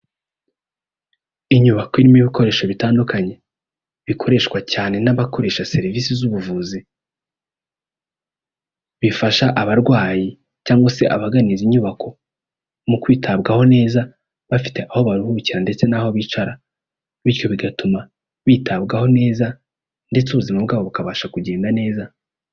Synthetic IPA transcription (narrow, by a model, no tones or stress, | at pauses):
iɲuβakoiɾimiβiko̞ɾe̞ːʃoβitaːndukaɲe̞ | βikʰo̞ɾe̞ʃkwacaːne̞naβako̞ɾe̞ːʃase̞ɾiviːsizuβuvuːzi | βifaʃaʔaβaɾɡwaːji | caːŋɡwase̞ʔa̰βaɡaniziɲuβako̞ | mukwiːtʰabɡaho̞ne̞ːza | βafi̥te̞ʔaho̞βaɾuhuciɾande̞t͡se̞naho̞βiːt͡ʃaɾa | βiɾjo̞βiɡatuma | βiːtʰabɡaho̞ne̞ːza | nde̞t͡suβuzimabɡaːβo̞βukaβaːʃakuɟe̞ːndane̞ːza